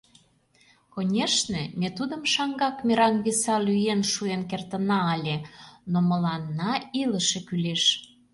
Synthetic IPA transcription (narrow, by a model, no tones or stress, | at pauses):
konʲeʃnemʲet̪ud̪əmʃɑŋɡɑkmʲeɾɑnβisɑlyjenʃuenkert̪ənɑːlʲenoməlɑnːɑiləʃekyleʃ